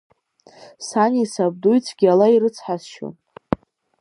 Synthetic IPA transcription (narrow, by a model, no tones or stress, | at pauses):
sanʲisab̚dujt͡sʰɡʲalaiɾɨt͡sʰħazʃo̰n